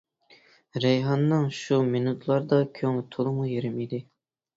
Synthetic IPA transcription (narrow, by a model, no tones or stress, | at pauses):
ɾɛjɦɑnːɨŋʃuminut̪ʰlˠɑɾd̪ɑkʲʰøŋlɪt̪ʰolˠɨmujeɾɪmid̪ɪ